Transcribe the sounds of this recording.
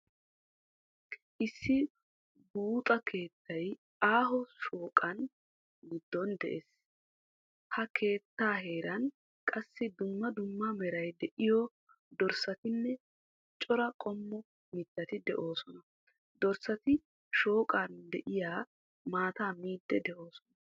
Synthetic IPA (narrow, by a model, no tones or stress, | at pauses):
ʔɪsːɪ | buːt̪ʼɐkʰe̞ːt̪ʰːɐj | aːɦɔʃoːkʼɐn | ɡɪd̪ːɔnd̪ɛ̰ʔeːs | hɐkʰe̞ːt̪ːaːɦe̞ːɾɐn | kʼɐsːɪd̪ʊmːɐd̪ʊmːɐmɛɾɐjd̪ɛʔɪjɔ | d̪ɔɾsɐt̪ɪnːɛ | t͡ʃʼɔɾɐkʼɔmːɔ | mɪt̪ːɐt̪ɪd̪ɛʔo̞ːsɔnɐ | d̪ɔɾsɐt̪ɪ | ʃo̞ːkʼand̪ɛʔɪjaː | maːt̪aːmiːd̪ːɛd̪ɛʔo̞ːsɔnɐ